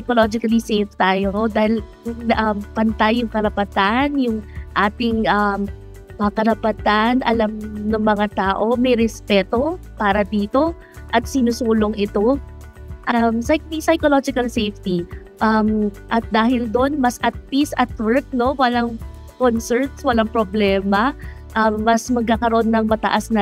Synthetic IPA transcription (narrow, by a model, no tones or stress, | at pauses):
sɐjkolod͡ʒɪkɐlisejft̪aːjonod̪aːhɪl | ʔɐmpɐnt̪ajʊŋkɐɾɐpɐt̪anjʊŋʔaːt̪ɪŋʔɐm | ɐkɐɾɐpɐt̪anʔɐ̰lamnɐŋmɐŋat̪aːʔo̞mɐjɾɛspɛːt̪o̞paːɾɐd̪iːt̪o̞ | ʔɐt̪̚sɪnʊsuːloŋʔɪt̪o̞ | ʔɐmsɐsɐjkolod͡ʒɪkɐlsejft̪i | ʔɐm | ʔɐt̪̚d̪aːhɪld̪o̞nmɐsʔɐt̪̚pisɐt̪̚wɛɹk̚no̞wɐlaŋ | konsɛɹt̪swɐlaŋpɾoblɛːmɐ | ʔɐmːɐsmɐɡ̚kːaːkɐɾoʔo̞nːɐŋmɐt̪ɐ̰ʔasnɐ